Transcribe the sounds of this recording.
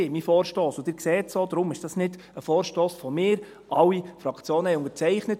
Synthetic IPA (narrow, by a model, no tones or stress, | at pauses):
eːmifɔːɾʃtoːsʊd̥ɪːɾksɛːtsoːd̪ɾʊmɪʃd̥ɑsnɪd̥ | əfɔːɾʃtoːsfomɪːɾ | ʔɑwifɾɑkt͡sjoːnəhɛʊŋəɾt͡sɛɪχnət